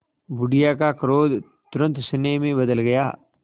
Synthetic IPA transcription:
bʊɖijakakɾoːd̪ | t̪ʊɾə̃nt̪sɪneːmẽbɐd̪əlɡɐja̰ː

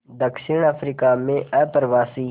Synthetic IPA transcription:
d̪əkʃɪɳɐfɾiːkaːmẽɛpəɾʋaːsiː

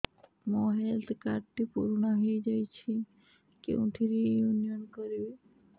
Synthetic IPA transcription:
mɔ̃ɦɛlt̪ʰkaʈt̪ipṵɾɳəɦejd͡ʒajt͡ʃʰi | kḛṵ̃ʈʰiɾijunijənkəɾju

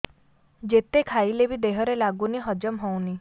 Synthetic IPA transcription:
d͡ʒet̪ekʰailebid̪eɦɔɾelaɡuniɦɔd͡ʒəmɦɔwni

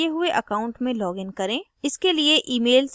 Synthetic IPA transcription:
eɦʊeʔɐkaːʊ̃ɳʈmẽlɔːɡɪ̃nkɐɾẽ | ɪskelieʔiːmeːls

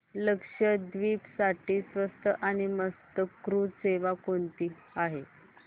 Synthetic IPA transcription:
ləkʂəd̪ʋiːpsaʈiːsʋəst̪əʔañiməst̪əkɾuseʋakoɳt̪iː | aɦe

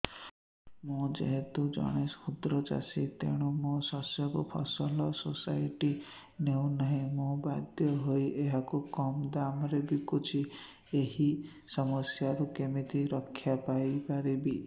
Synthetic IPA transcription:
mũd͡ʒḛɦet̪ud͡ʒɔ̰ɽ̃eshud̪ɾɔd͡ʒa̰sit̪ḛɽ̃umũsɔsjɔkupʰɔsɔlɔsosajʈi | newnaɦĩmũbad̪jɔɦojʔeɦakukɔmd̪amɾebikut͡ʃʰi | eɦi | sɔmɔsjaɾukemit̪iɾɔkʰːjapajpaɾibi

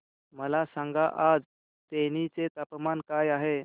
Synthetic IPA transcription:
məlasãŋɡaʔad͡z | t̪enit͡set̪apmankajaɦe

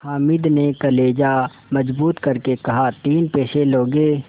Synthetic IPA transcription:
haːmɪd̪nekɐleːd͡ʒa | mɐd͡ʒbuːt̪kɐɾkekɐɦat̪iːnpeːʃeloːɡeː

